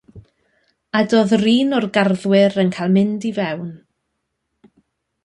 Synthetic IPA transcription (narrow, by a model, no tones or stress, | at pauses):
adoːðriːnɔrɡarðwɪɾənkʰajlˠmɪndivɛwn